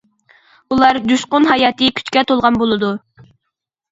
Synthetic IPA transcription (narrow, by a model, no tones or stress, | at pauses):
ulˠɑɾd̪uʃqʊnɦɑjɑːt̪ʰɨkʲʰy̥t͡ʃkʲɛt̪ʰolˠʁɑnbolˠɨd̪u